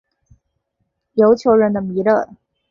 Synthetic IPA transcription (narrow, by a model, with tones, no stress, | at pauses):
jo˧˥ʊt͡ɕʰjo˧˥ʊɻə˧˥nd̪ə˧mi˧˥lə˥˩